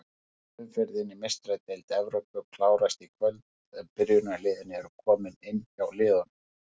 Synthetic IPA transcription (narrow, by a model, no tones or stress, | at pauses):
ɪfɛɾðɪnimest̪ɾat̪ejlt̪ɪɛvɾowpʏkʰlaːwɾast̪ikʰvœlt̪ | ɛmpɪɾjʏɾnalɪːðɪnɪɛɾʏkʰɔːmɪnɪnːjawlɪːðɔnʏm